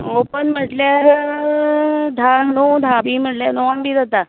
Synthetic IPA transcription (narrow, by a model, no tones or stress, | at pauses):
opənm̤əʈljaɦe | d̪ʱanod̪ʱabiːm̤əʈljanoanbiːd̪ət̪a